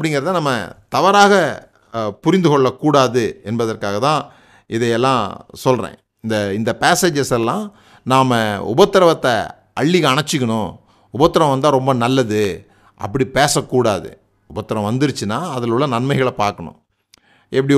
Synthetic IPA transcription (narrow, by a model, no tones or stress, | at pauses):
ɐpːɐɽɪŋɡɐɾɐt̪ːãnɐmːɐ̰t̪ɐʋɐɾaːɣɐ | pʊɾɪnd̪ɯɣɔɭːɐkːuːɽaːðɯɛnbɐðɐrkaːɣɐt̪ãː | ɪðɐɪɛlːãːsɔlrḛ̃ː | ɪnd̪ɐɪnd̪ɐpeːsed͡ʒɐsɛlːãː | naːmɐʊ̰bɐt̪ːɐɾɐʋɐt̪ːɐ | ʔɐɭːɪɣɐːɳɐt͡ʃːɪkːɐɳʊ̃ | ʊbɐt̪ːɐɾɐ̃ʋɐnd̪ãːɾɔmbɐnɐlːɐðɯ | ʔɐ̰pːɐɽipeːsɐkːuːɽa̰ːðɯ̰ | ʊbɐt̪ːɐɾɐ̃ʋɐnd̪ɪɾɯt͡ʃːɯnːaːɐðɐlʊɭːɐnɐnmɐɪɣɐɭɐpaːɾkɐɳʊ̰̃ | ɛpːɐɽi